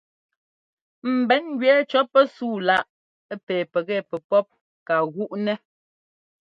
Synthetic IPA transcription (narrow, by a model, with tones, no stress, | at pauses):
m̩˨bɛ˨˦n˦ɡɥɛ˨˦t͡ʃɔ˨˦pːɛ˦suː˦˨la˦ʔ | pɛː˨pɛ˨ɣɛ˦˨pɛ˨pɔ˦p̚ | ka˨ɣu˦ʔnɛ˦